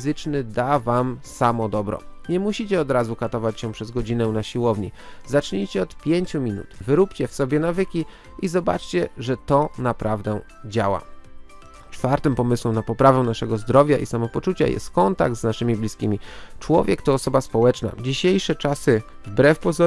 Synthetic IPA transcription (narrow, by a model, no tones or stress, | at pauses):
zɘt͡ʂnɘd̪avamsamɔd̪ɔbɾɔ̰ɲɛmuɕit͡ɕɛɔd̪ɾazukat̪ɔvat͡ɕɕɛpʂɛzɡɔd͡ʑinɛnaɕiwɔvɲḭzat͡ʂɲit͡ɕɛɔt̪pʲjeɲt͡ɕumʲinṵt̪vɘɾupt͡ɕɛfsɔbʲjɛnavɘkʲi | ʔizɔba̰t͡ʂt͡ɕɛʐɛt̪ɔnapɾʔavd̪ɛd͡ʑa̰wa̰ | t͡ʂfaɾt̪ɘmpɔmɘswɛmnapɔpɾavɛnaʂɛɡɔzd̪ɾɔvʲjaʔisamɔpɔt͡ʂut͡ɕa̰jɛ̰st̪kɔnt̪a̰ɡ̚d̪znaʂɘmʲiblʲiskʲimʲit͡ʂwɔvʲjɛkt̪ɔːsɔbaspɔwɛt͡ʂna̰d͡ʑiɕejʂɛt͡ʂasɘ | vbɾɛfpɔzɔ